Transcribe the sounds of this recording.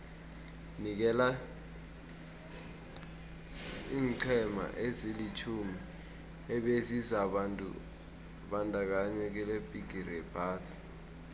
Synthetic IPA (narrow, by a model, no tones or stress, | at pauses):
nik̬ɛla | iːŋǀʰɛma̰ʔezilit͡ʃʰumi | ɛɓezizaɓantʼṵ | ɓandʱʼak̬aɲɛk̬ɛlebʱʼiɡ̥ʱirɛpʰaːsi̥